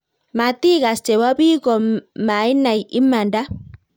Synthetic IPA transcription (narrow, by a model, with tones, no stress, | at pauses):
ma˨t̪i˦ka˨st͡ʃe˨wa˦bi˦kɔ˨ma˨i˦na˨jʔi˦mːa˨nda˦